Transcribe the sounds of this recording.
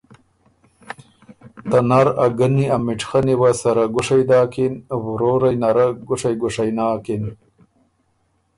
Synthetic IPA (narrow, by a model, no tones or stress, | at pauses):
t̪anaɾaɡɐniamɪʈ͡ʂxaniwasɐɾaɡʊʂajd̪aːkinwɾoːɾajnaɾaɡʊʂajɡʊʂajnaːkin